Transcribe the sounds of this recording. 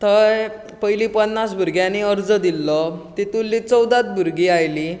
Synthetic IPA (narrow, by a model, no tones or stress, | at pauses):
t̪əj | pəjlipənːasbʱuɾɡjaniəɾd͡zəd̪ilːɔt̪it̪ulːit͡səwd̪at̪̚bʱuɾɡiajli